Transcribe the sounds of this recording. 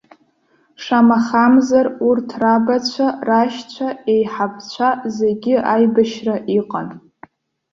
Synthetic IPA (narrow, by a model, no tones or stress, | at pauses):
ʂamaχamzarurtʰrabat͡ɕʷʰaraʃt͡ɕʷʰae̞jħap̚ʰt͡ɕʷʰazeɡʲɪʔajbaʃraʔiqʼan